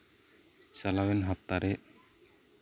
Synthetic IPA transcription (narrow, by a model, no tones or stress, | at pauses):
salawɛnɦap̚t̪aɾɛʔ